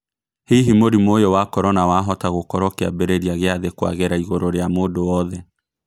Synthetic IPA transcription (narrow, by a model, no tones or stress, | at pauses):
hiɦimoɾimojowakɔɾɔnawaːɦɔtaɣokɔɾɔkɛa̰bɛɾeɾiaɣeaðekwa̰ɣeɾaiɣoɾoɾeamoːdoɔðɛ